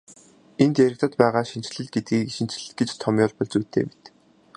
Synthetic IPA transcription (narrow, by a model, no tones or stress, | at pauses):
ent̪jæɾɪ̆k̚t̪ə̆t̪pæːʁaːʃint͡ɕ̆ɮɘ̆ɮ̚ɡet̪̚ɡiːʃint͡ɕ̆ɮɘ̆ɮ̚ɡet͡ɕt̪ʰɔmjʊːɮpɔɮt͡suːt̪ʰḛːmet̪